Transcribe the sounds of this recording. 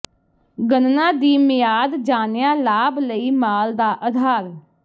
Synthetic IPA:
ɡənnãːd̪iːmɪjaːd̪d͡ʒaːnjãːlaːbləiːmaːld̪aːʔəd̪ʱaːɾ

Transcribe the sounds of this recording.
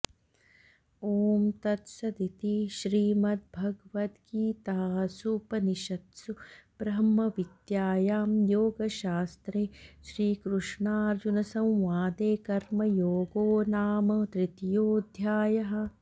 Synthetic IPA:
oːmt̪ɐt̪sɐd̪it̪iʃɾiːmɐt̪̚bʱɐɡʋɐt̪kiːt̪aːsupɐniʃɐt̪sub̥ɾɐmɐʋid̪jaːjaːmjoːɡɐʃaːst̪ɾeːʃɾiːkɾuʂɳaːɾd͡ʒunɐsɐ̃w̃ʋaːd̪eːkɐɾmɐjoːɡoːnaːmɐd̪ɾɪt̪joːd̪ʱjaːjɐɦɐ̆

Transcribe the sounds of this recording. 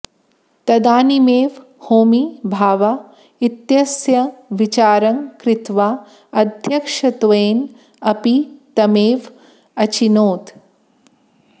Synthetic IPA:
t̪ɐd̪aːnimeːʋ | hoːmibʱaːʋa | it̪jɐsjɐʋit͡ʃaːɾɐŋkɾɪt̪ʋaː | ɐd̪ʱjɐkʂɐt̪ʋeːn | ɐpit̪ɐmeːʋ | ɐt͡ʃinoːt̪

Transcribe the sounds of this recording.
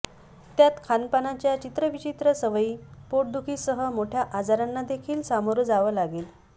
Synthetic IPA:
t̪jat̪kʰanpanat͡ɕjat͡ɕit̪ɾəʋit͡ɕit̪ɾəsəʋəiːpoʈ̚d̪ukʰiːsəɦəmoʈʰjaʔad͡zaɾanːad̪ekʰiːlsamoɾuːd͡zaʋəlaɡeːl

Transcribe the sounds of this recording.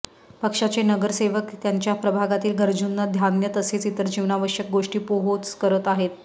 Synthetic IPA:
pəkʂat͡senəɡəɾseʋəkt̪jaɲt͡ɕjapɾəbʱaɡat̪iːlɡʱəɾd͡ʑunːəd̪ʱjanjət̪əset͡sit̪əɾd͡ʑiʋnaʋəʂjək̚ɡoʂʈiːpoɦot͡skəɾət̪aɦet̪̚

